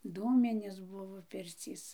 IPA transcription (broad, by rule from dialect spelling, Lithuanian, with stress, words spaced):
ˈduːmʲɪnʲeːs ˈbʊʋoː ˈpʲɪrʲt͡sʲiːs